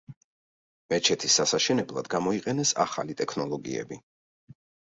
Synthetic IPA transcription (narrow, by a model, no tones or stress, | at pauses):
mɛt͡ʃʰɛt̪ʰisːasaʃɛnɛblˠad̪ɡamɔiqʼɛnɛsa̰χa̰lit̪ʼɛkʰnɔlˠɔɡḭɛ̰bi